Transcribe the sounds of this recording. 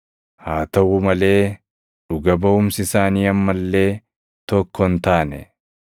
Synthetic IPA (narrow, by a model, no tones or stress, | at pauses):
haːt̪ɐwʊmɐle̞ː | ᶑʊɡɐbɐʊmsɪsaːniːɐmːɐlːe̞ː | t̪ɔkːɔnt̪aːnɛ̰